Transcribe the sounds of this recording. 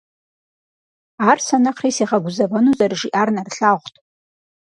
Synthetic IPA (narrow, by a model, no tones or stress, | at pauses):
arsanaqʰrijsiʁaɡʷʊzabanuzʼarʐiʔarnarɬaʁʷtʼ